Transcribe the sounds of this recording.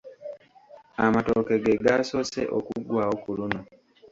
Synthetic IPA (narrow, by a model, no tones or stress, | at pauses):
amatoke̞ɡeɡaso̞ːsḛʔokuɡwaːwokuluno